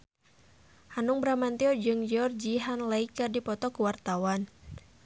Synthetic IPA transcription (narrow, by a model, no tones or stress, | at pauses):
hanuŋbəɾamant̪iɔd͡ʒɨŋd͡ʒɔrd͡ʒiɦanlaikɨrdipɔt̪ɔkuwart̪awan